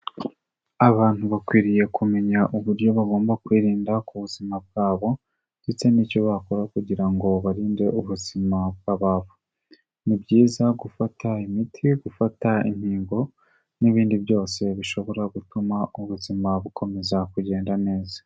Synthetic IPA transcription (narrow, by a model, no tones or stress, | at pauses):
aβaːn̥huβakwiːɾije̞kʰume̞ɲaʔuβuɾjo̞βaɡo̞ːmbakwiːɾiːndakuβuzimab̚ɡ̥aːβo̞ | det͡se̞niːco̞βako̞ɾakuɟiɾaŋɡo̞βaɾiːnde̞uβuzimabɡaβavu | nibɟiːzaɡufatʰaimitʰiɡufataḭm̥hiːŋɡo̞ | niβiːndibjo̞ːse̞βiʃo̞βo̞ɾaɡutumauβuzimaβukʰo̞me̞zakuɟe̞ːndane̞ːzḁ